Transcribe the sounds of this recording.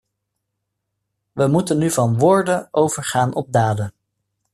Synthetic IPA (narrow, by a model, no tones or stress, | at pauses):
ʋəmutənːyvɑnʋʊːɹdənʔowvəɹχaːnʔɔb̚daːdən